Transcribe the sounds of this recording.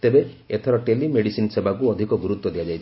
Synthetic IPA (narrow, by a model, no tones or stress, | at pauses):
t̪ebeet̪ʰɔɾɔʈelimeɽisinsebʱakuɔd̪ʱikɔɡuɾut̪wɔd̪iad͡ʒajt͡ʃʰ